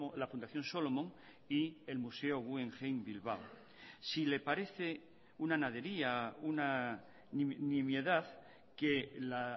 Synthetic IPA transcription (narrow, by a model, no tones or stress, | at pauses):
lafund̪aθjo̞nsolo̞mõŋ | ie̞lmuse̞o̞ɣue̞ŋxejnbilβaw | sile̞paɾe̞θe̞ | unanað̞e̞ɾiauna | nnimje̞ðað | ke̞la